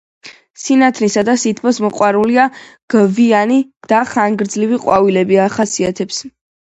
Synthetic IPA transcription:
sinat̪ʰlisad̪asit̪ʰpʰɔsmɔqʼwaɾuliaɡ̥vianid̪̥aχaŋɡɾd̪zliviqʼwavilɛbiaχasiat̪ʰɛps

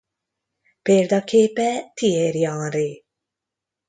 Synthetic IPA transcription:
peːɾd̪ɑkʰeːpɛt̪ʰieɾjɑːɾi

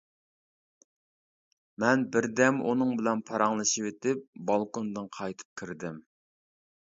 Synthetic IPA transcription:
mɛnbɪɾd̪ɛmṵnɨŋbɪlɛnpʰɑɾɑŋlˠɨʃiwet̪ɪp̚bɑlˠkond̪ɨŋqʰɑjt̪ʰɨ̥p̚kʲʰiɾd̪ɪm

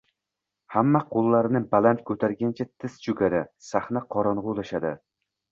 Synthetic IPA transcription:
hamːaqʰolˠːaɾɪnɪbalant̪kʰɵt̪ʰaɾɡʲant͡ʃʰat̪ʰɪst͡ʃʰʊɡʲaɾasaχnaqʰɒɾɒnʁʊlaʃad̪ɪ

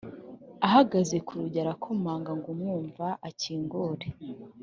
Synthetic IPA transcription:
aɦaɡazekuɾuɟaɾakʰomaːŋɡaŋɡumŋuːɱvaʔaciːŋɡoːɾe

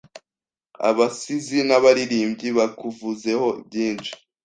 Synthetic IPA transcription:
a̰βasizinaβaɾiɾiːmbɟiβakuvuze̞ho̞bɟiːnʃi̥

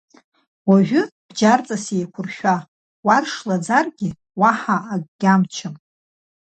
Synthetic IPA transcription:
waʒʷᶣʊb̥d͡ʒart͡sʼasejkʷʰʊrʃᶣa | warʂlad͡zarɡʲi | waħaʔːɡɡ̥ʲamt͡ʃʰɨm

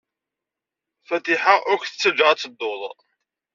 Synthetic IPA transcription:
fæt̪iħaʔʊɾçθə̥t͡sːəd͡ʒəʁat͡sːəd̪ːoðˤ

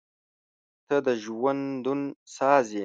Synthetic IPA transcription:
t̪ʰəd̪əʒwand̪unsɑːze

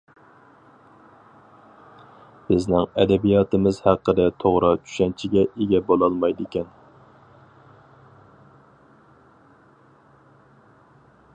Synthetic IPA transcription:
b̥ɪznɪŋɛd̪ɛbijɑːt̪ʰɨmɪzhæqːəd̪ɛt̪ʰoʁɾɑt͡ʃʰy̥ʃɛnt͡ʃʰiɡʲɛʔeɡʲɛbolˠɑlˠmɑjd̪ɪkʲɛn

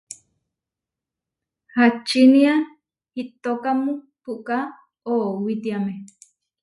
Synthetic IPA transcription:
hat͡ʃinia | hit̪okamũ | puʔka | owit̪iame

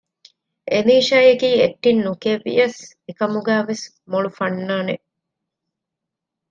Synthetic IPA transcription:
eniːʃɐjekiːeʈːinːukeʋḭjɐs | ekɐmuɡæːʋes | moɭufɐnːaːneʔ

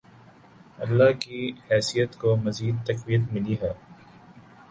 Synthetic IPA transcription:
ɐlːakihɛːsijət̪komɐziːd̪̚t̪ɐqwijət̪mɪliɦɛː

